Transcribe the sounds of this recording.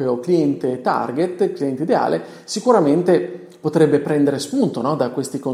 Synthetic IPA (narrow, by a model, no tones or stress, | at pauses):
peokliɛnt̪et̪a̰rɡet̪kliɛnt̪eid̪ea̰ːlʔe | sikuɾament̪e | pot̪ɾɛbːepɾɛnd̪eɾespunt̪onɔd̪akwest̪iko